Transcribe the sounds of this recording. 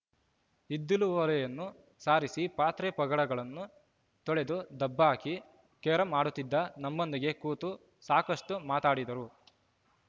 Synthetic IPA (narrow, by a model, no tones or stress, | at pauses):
id̪ːiluʋɐlɐjɐnːu | saːɾisipaːt̪ɾɛpɐɡɐɽɐɡɐɭɐnːu | t̪ɔɭed̪ud̪ɐbːaːki | kɛːɾɐmaːɽut̪ːid̪ːɐnɐmːond̪iɡe̞kuːt̪u | saːkɐʂʈumaːt̪aːɽid̪ɐɾu